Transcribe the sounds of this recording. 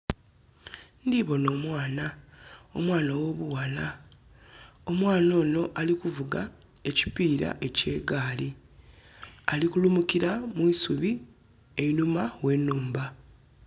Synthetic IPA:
ndiβo̞no̞ːmwaːnao̰mwaːnawo̞βuwala | o̞mwaːno̞ːno̞ʔalikuvuɡa | e̞ci̥piːɾa̰ʔe̞ce̞ːɡaːli | alikulumukiɾamwiːsuβi | e̞inumawe̞nːuːmba

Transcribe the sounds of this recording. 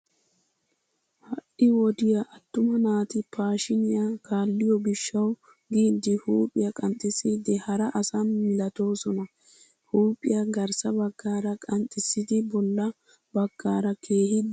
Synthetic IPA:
hɐʔɪwɔd̪ɪjɐʔɐt̪ːʊmɐnaːt̪ɪpʰaːʃɪnɪjɐkʰaːlːɪjɔbɪʃːɐw | ɡiːd̪ːɪhuːpʼɪjɐkʼɐnt̪ʼɪsiːd̪ɪhɐɾɐʔɐsɐnmːɪlɐt̪o̞ːsɔnɐ | huːpʼːɪjɐɡɐɾsɐbɐɡːaːɾɐkʼɐnt̪ʼɪsːɪd̪ɪbɔlːɐ | bɐɡːaːɾɐkʰeːhɪd̪

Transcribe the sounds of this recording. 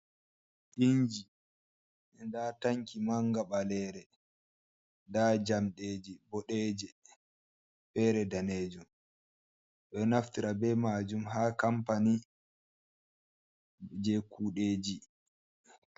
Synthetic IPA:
ʔiɲd͡ʒi | ndataŋkimaŋɡaɓalɛːɾɛ | dad͡ʒamɗeːd͡ʒibɔɗɛːd͡ʒɛ | fɛːɾɛdaneːd͡ʒum | ɗɔnaftiɾabɛmaːd͡ʒumɦaːkampani | d͡ʒɛkuːɗeːd͡ʒi

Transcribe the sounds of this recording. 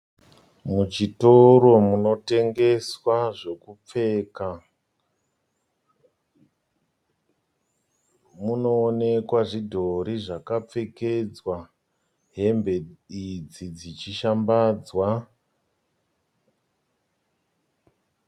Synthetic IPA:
mut͡ʃito̞ɾo̞muno̞te̞ŋɡe̞swaʐe̞kup͡fe̞ːka | muno̞ːne̞kwaʐidʱo̞ɾiʐakap͡fe̞ke̞d͡zwa | ɦe̞mbe̞id͡zid͡zit͡ʃiʃambaːd͡zwa

